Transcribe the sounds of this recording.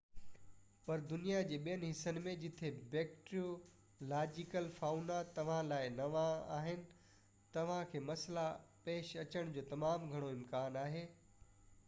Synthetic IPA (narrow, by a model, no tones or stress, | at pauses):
pɐɾd̪ʊnijad͡ʑeːɓijənɪ̆ɦɪsənɪ̆mẽd͡ʑɪt̪ʰebeːkʈɾio | laːd͡ʑɪkəlfaːunat̪ɐʋ̤ãlaːɪnɐʋãa̰ːɦɪnɪ̆ | t̪ɐʋ̤ãkʰeːmɐslapeːʃɐt͡ɕəɽ̃d͡ʑoːt̪ɐmaːmɡʱɐɽ̃oɪmkaːnaːɦeː